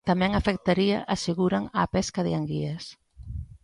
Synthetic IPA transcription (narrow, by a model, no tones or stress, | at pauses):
t̪amɛ̃ŋafek̚t̪aɾia̰ʔaseɣuɾaŋaːpɛskaðɪaŋɡiɐs